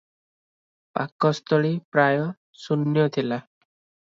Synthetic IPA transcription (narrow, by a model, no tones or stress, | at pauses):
pa̰kːɔst̪ɔɭipɾajɔ | sunːjɔt̪ʰila